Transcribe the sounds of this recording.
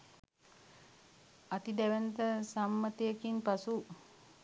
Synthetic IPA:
at̪id̪ɛʋɛnt̪əsamːət̪ejəkinpasu

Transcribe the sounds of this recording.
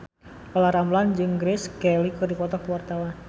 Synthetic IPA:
ɔlaɾamland͡ʒɨŋɡɾɪskɛlikɨrdipɔt̪ɔkəwart̪awan

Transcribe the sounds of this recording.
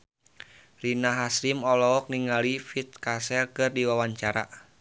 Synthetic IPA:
rinaɦasɾimɔlɔɔk̚niŋalifit̪̚kasɛlkɨrdiwawaɲt͡ʃaɾa̰

